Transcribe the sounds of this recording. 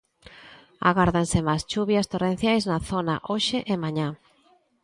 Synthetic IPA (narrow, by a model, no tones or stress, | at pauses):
a̰ɣaɾðaŋsɪmast͡ʃuβjɐst̪orẽn̟θjajznɐθonaʔoʃɪʔemaɲã